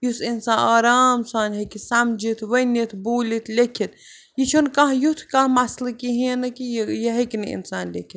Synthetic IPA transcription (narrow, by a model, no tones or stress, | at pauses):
jusinsaːnaːɾaːmsaːnʲɦɐkisɐmd͡ʒit̪ʰʋɐnit̪ʰbuːlit̪ʰlʲekʰit̪̚ | jit͡ʃʰunkɐɦjut̪ʰkamɐslɨkiɦẽːnɐkijjɐɦɐkinɨḭnsaːnlekʰit̪